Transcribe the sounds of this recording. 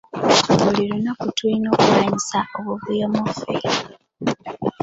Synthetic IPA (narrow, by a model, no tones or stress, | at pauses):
βulilunakutuinoːkumaɲisaoβuvujamofḛ